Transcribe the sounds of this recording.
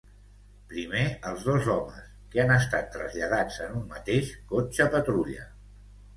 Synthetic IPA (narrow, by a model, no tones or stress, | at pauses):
pɾimeəlˠzð̞ozɔmə̰s | keanəst̪at̪ːɾəzʎəð̞ad͡zənumːət̪eʃkot͡ʃəpət̪ɾuʎə̰